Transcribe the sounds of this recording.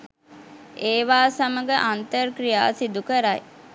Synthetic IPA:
eːʋaːsaməɡəʔant̪ərkɾija̰ːsid̪ukəɾaj

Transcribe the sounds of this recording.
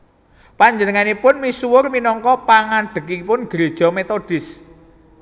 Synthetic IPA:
paɲd͡ʒənəŋanipʊnmisuwʊrminɔŋkɔpaŋaɖ̥ə̤kipʊnɡ̥əɾed̥ʒ̥ɔ̤met̪od̥ɪs

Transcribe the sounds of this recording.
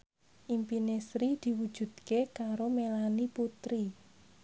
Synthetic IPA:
ʔimpinesɾid̪̥i̤wu̥ʒ̥ṳd̪̥̚kekaɾomelaniput̪ɾi

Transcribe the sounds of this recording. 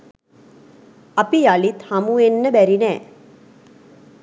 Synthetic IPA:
ɐpijaɭit̪hɐmuenːəbæɾinɛː

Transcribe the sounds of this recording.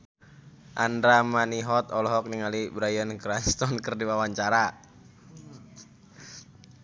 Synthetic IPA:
ʔandɾamaniɦɔt̪ɔlɔɦɔk̚niŋalibɾajənkɾanst̪ɔnkərdiwawaɲt͡ʃaɾa

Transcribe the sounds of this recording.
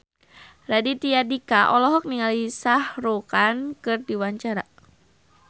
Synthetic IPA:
radit̪iadikaʔɔlɔɦɔk̚niŋalisahrokankɨrdiwaɲt͡ʃaɾa̰

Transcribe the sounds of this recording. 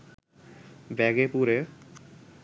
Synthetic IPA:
bɛɡepuɾe

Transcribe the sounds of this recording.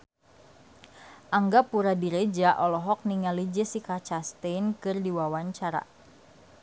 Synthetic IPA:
ʔaŋɡapuɾadiɾed͡ʒaʔɔlɔɦɔk̚niŋalid͡ʒəsikat͡ʃast̪enkɨrdiwawaɲt͡ʃaɾa̰

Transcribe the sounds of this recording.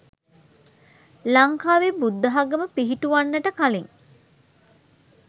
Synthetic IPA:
laŋkaːʋebud̪ːəɦaɡəməpiɦiʈuʋanːəʈəkaliŋ

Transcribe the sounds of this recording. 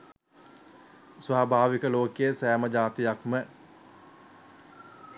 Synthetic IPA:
sʋaːbʱaːʋikəloːkejəsæːməd͡ʒaːt̪ijakmə

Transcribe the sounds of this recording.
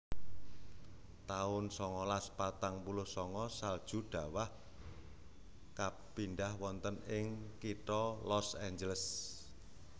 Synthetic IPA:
t̪aʊnsɔŋɔlaspat̪aŋpulʊhsɔŋɔsald̥ʒ̥ṳɖ̥ä̤wah | ka | pindahwɔnt̪ənɪŋkit̪ɔlɔsaɲd͡ʒələs

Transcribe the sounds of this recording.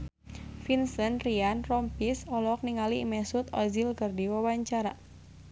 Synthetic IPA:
finsənrianrɔmpisɔlɔk̚niŋalimɛsut̪ɔzilkərdiwawaɲt͡ʃaɾa

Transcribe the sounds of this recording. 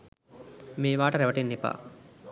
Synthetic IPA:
meːʋaːʈəɾeʋɐʈenːipa̰ː

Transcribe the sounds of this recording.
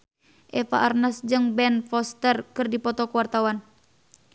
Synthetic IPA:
ʔɛfa̰ʔarnasd͡ʒɨŋbɛnfɔst̪ɛrkɨrdipɔt̪ɔkəwart̪awan

